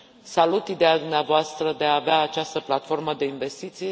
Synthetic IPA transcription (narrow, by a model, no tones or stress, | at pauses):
salut̪id̪ejad̪umneavoast̪ɾəd̪e̞aːveaːt͡ʃast̪əplat̪fo̞rməd̪e̞inve̞st̪it̪sij